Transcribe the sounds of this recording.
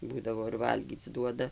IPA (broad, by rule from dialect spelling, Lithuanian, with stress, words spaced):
ˈbuːdɐʋoː ɪr ˈʋɐlʲɡʲiːt͡s ˈduɔdɐ